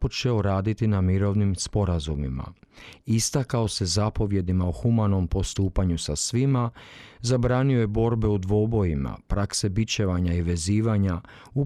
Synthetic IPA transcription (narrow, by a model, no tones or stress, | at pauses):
po̞t͡ʃe̞o̞ɾaːd̪it̪inamiɾo̞ʋnimspo̞ɾazumima̰ist̪akao̞se̞zapo̞ʋje̞d̪imaoxumano̞mpo̞st̪uːpaɲusasʋimazabɾaːniojebo̞ɾbe̞ud̪ʋo̞bo̞jima̰pɾakse̞bit͡ɕeʋaɲaiʋe̞ziːʋaɲa | u